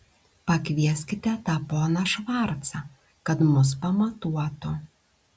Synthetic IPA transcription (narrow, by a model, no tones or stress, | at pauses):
pɐkʋʲiɛsʲkʲɪt̪ʲɛt̪ɑːpoːnɐʃʋɐˑɾt̪sɐ | kɐt̪mʊs̬pɐmɐt̪uɔt̪ʊ